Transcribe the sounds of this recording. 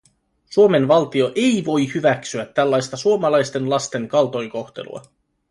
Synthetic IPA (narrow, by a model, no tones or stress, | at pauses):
suome̞nʋɑlt̪io̞ʔe̞jʋo̞jhyʋæksyæt̪ːælːɑjst̪ɑsuomɑlɑjst̪e̞nlɑst̪e̞ŋkɑlt̪o̞jko̞xt̪e̞̰lṵɑ̰